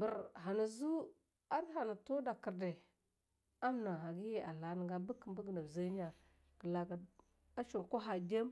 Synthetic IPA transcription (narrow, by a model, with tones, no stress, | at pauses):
bə˨ɾɦa˨na˨zu˦ | a˦ɾha˨na˨to˦da˨ki˨ɾde˨ | a˦mna˨ɦa˨ɡi˦je˦a˨la˨ni˨ɡa˦bə˦kːə˨mbə˦ɡna˨zə˦ɲa˨ | ɡ̥ə˨la˨ɡa˨ | a˦t͡ʃo˨ko˦ɦa˨d͡ʒe˦m